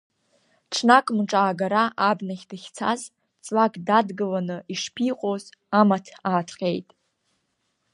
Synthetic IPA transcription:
ʈ͡ʂʰnakʼmʈ͡ʂʼaːɡaɾaʔabnaχʲdɨχʲt͡sʰa̰z | t͡sʼlakʼdadɡɨlanɨiʂpʰiqʼoz | amatʰaːtʰqʲʼe̞jtʼ

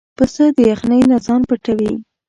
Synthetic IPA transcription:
pəsəd̪əjaxnəjnazɑnpəʈawi

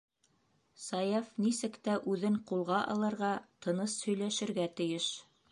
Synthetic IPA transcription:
sɑjɑfnisɘkt̪æʔʉðɘɴqulˠʁɑʔɑ̰lˠɤ̆ɾʁɑt̪ɤ̆nɤshɵ̆jlæʃɘ̆ɾɡæt̪ɘ̆jɘʃ

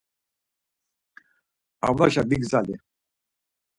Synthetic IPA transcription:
a̰vnaʃab̪iɡzalḭ

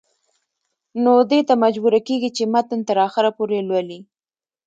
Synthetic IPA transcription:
nod̪et̪amad͡ʒbuɾakeɡit͡ʃemat̪ənt̪əɾɑxɪɾapoɾelwəli

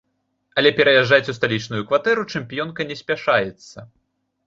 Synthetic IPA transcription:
ɐlʲɛpʲɛɾɐjaʐːat͡sʲust̪alʲit͡ʂnujukvat̪ɛɾut͡ʂɛmpʲijɔnkɐnʲɛsʲpʲaʂajɛt̪sːɐ

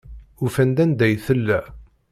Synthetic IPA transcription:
ufænd̪ænd̪æjθəlːæ

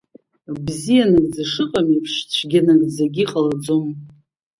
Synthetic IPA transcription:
bzijanɨɡd͡zaʂɨqʼamipʰʂt͡ʃʷʰɡʲanɨɡd͡zaɡʲiqʼalad͡zom

